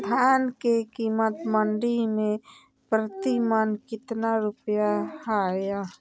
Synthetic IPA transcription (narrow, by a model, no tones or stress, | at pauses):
d̪ʱaːnkekiːmət̪məɳɖimẽ | pɾət̪imənkɪt̪naɾʊpjahaja